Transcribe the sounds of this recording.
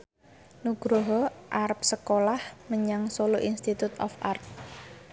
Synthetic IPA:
nuɡ̥ɾoɦɔʔarp̚səkolahməɲaŋsoloʔinst̪it̪ut̪ɔ̰farp̚

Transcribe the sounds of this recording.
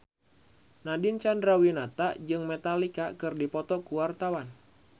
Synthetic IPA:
nadint͡ʃandɾawinat̪ad͡ʒɨŋmɛt̪alikakɨrdipɔt̪ɔkuwart̪awan

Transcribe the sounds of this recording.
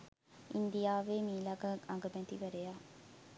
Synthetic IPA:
ind̪ijaːʋemiːlaɡəaŋɡəbɛt̪iʋəɾejaː

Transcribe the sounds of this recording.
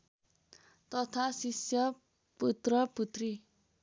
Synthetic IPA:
t̪ɔt̪ʰasisjʌ | put̪ɾʌput̪ɾi

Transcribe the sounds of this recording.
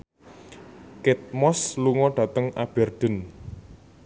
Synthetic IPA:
kɪt̪̚mɔsluŋɔɖ̥ä̤t̪əŋab̥ɛ̤rd̪̥ə̤n

